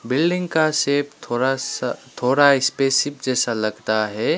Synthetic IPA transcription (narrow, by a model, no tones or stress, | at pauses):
bɪlɖɪ̃ŋɡkaseːpt̪ʰoat̪ʰoːɽaɪspeːsɪp̚d͡ʒɛːsalɐɡt̪aɦɛː